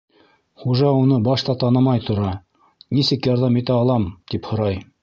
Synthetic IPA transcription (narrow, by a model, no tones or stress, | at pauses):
χuʒɑunɤbɑʃt̪ɑt̪ɑnɤmɑjt̪ŏɾɑ | nisɘkjɑɾðɑmit̪æɑlˠɑmt̪iphŏɾɑj